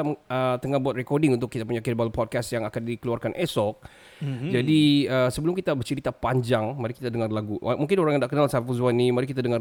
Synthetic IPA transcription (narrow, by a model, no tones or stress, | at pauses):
ət̪əŋahbuat̪̚rɛkɔrdɪŋunt̪ʊkːit̪ap̬uɲakirbalapɔd̚kast̪jaŋakandikəluarkanʔɛsɔk̚ | d͡ʒadiəsəbəlʊmkit̪abərt͡ʃəɾit̪apaɲd͡ʒaŋmaɾikit̪adəŋarlaɡumuŋkɪnoɾaŋjaŋdaʔkənalsaapafuzuanːimaɾikit̪adəŋa